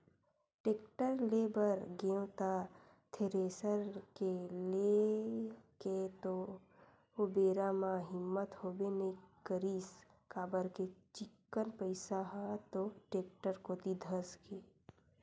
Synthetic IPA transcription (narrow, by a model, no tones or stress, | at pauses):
ʈeːkʈəɾleːbəɾɡẽːwt̪a | t̪ʰeɾeːsəɾkele | ket̪o | obeːɾamaɦɪmːət̪hoːbenəikəɾiːs | kaːbəɾket͡ʃɪkːənpəɪsaɦat̪oʈeːk̚ʈəɾkot̪id̪ʱəsɡeː